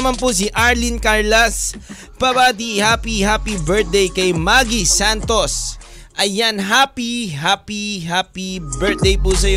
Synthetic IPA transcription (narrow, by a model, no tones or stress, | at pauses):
manpʊsiʔaɹlɪnkaɹlɐs | pɐbaːd̪ihaːpihaːpibɛɹt̪̚d̪ejkɐjmaɡisant̪os | ʔɐjːanɦaːpiɦaːpiɦaːpibɛɹt̪̚d̪ejpusɐj